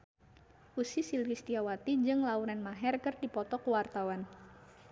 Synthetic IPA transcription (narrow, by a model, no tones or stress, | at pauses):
ʔusisilvist̪iawat̪id͡ʒɨŋlauɾɛnmaɦɛrkərdipɔt̪ɔkəwart̪awan